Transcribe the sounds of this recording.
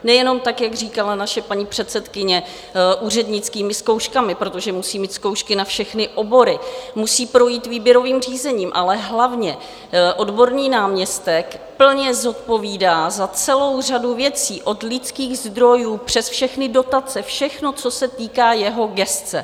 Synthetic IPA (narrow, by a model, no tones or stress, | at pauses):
nɛjɛno̞mt̪akjaɡriːkalanaʃɛpaɲipr̝̥ɛt̪t͡sɛt̪kɪɲɛ | ʔuːrɛdɲɪt͡skiːmɪsko̞wʃkamɪpɾo̞t̪o̞ʒɛmusiːmiːt̪sko̞wʃkɪnafʃɛxnɪʔo̞bo̞ɾɪmusiːpɾo̞jiːt̪viːbjɛɾo̞viːmr̝iːzɛɲiːmʔalɛɦlavɲɛ | ʔo̞dbo̞ɾniːnaːmɲɛst̪ɛkpl̩ɲɛzo̞t̪̚po̞viːdaːzat͡sɛlo̞wr̝aduvjɛt͡siːʔo̞dlɪt͡skiːɣzd̪ɾo̞juːpr̝̥ɛsfʃɛxnɪdo̞t̪at͡sɛfʃɛxno̞t͡so̞sɛt̪iːkaːjɛɦo̞ɡɛstt͡sɛ